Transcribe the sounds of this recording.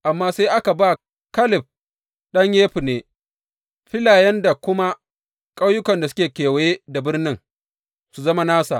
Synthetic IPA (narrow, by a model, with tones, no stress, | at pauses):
ʔa˨mːaː˦sa˦jʔa˦ka˨baː˦˨ | kɐ˦lɪ˨ɸ̚ | ɗɐ˦ɲjeː˦ɸi˨neː˨ | ɸɪ˦laː˨jɐ˦nda˨kʷʊ˦ma˦ | kʼa˦wjʊ˦kɐ˨nda˨sʊ̥˦kʲeː˨kʲeː˨wjeː˦da˨bɪ˦rnɪ˦ŋ | su˨zɐ˦ma˦naː˦sa̰˨ʔ